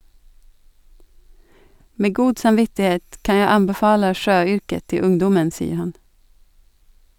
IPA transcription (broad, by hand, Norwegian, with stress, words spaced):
ˈmeː ˈɡuːd sɑmˈʋɪtɪˌheːt ˈkɑn ˈjæɪ ˈɑmbɛˌfɑːlə ˈʃøːˌʏɾkə ˈtɪ ˈʊŋdɔmən ˈsiːə ˈhɑn